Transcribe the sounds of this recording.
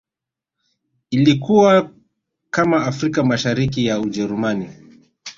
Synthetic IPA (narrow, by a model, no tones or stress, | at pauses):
ilikuwa | kamaːfɾikamaʃaɾik̬ijaud͡ʒɛɾumani